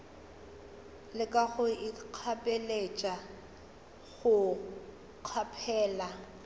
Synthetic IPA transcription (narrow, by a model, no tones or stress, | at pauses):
lɪkʼaɣʊiq͡χʰapʼelet͡ʃʼa | ɣʊ | q͡χʰapʰɛːla